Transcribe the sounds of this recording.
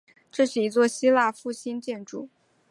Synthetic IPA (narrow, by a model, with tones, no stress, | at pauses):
ʈ͡ʂɤ˥˧ʂɻ̩˥˩i˧˥t͡swɔ˥˩ɕi˥la˥˧fu˥˩ɕi˥nt͡ɕjɛ˥˧nʈ͡ʂṵ˥˩